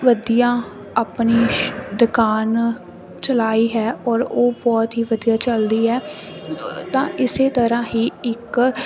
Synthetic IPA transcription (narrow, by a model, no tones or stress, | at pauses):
ʋəd̪ijãː | aːpniːd̪ʊkaːn | t͡ʃəlaːiːɦɛːɔːɾoːbɔːt̪ɦiːʋəd̪ijaːt͡ʃəld̪iːɦɛː | t̪ãːʔɪseːt̪əɾãːɦiːɪk